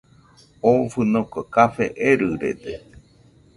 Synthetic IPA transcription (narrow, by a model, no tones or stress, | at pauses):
ofɨnokokafeʔeɾɨɾḛd̪e